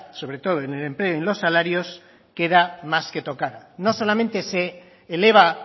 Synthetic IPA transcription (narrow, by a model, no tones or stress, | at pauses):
so̞βɾe̞t̪o̞ðoenele̞mple̞oenlo̞sːalaɾjo̞s | ke̞ðamaske̞t̪o̞kaɾno̞so̞lament̪e̞seː | le̞β̞a